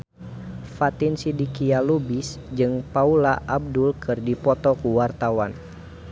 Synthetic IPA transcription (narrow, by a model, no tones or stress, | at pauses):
fat̪insidikialubis | d͡ʒɨŋpaulaʔab̚dulkʰɨrdipɔt̪ɔkuwart̪awan